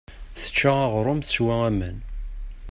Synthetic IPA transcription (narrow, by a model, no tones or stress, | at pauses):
θə̥t͡ʃːaɑʁɾˤʊmθəswææmən